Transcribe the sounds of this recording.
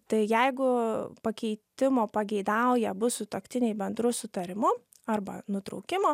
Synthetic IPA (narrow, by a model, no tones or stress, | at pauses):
t̪ɐɪjɛɪɡʊpɐkʲɛɪt̪ʲɪmoːpɐɡʲɛɪd̪ɑˑʊjɛbʊsʊt̪okt̪ʲɪnʲɛɪbʲɛnd̪ɾʊsʊt̪ɐɾʲɪmʊ | ɐrbɐnʊt̪ɾɔ̰ʊkʲɪmoː